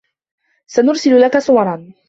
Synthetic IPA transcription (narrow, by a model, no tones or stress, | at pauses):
sanʊɾsɪlʊlakasˤʊwɑɾˤɑn